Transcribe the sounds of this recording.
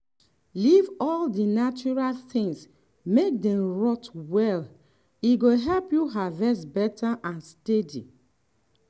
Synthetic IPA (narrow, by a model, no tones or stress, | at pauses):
livɔldinat͡ʃuɹalθɪ̃ŋs | mek̚dɛ̃mɹɔtwɛl | iɡoɦɛlpjuɦavɛsbɛtʰaʔãnstɛdḭ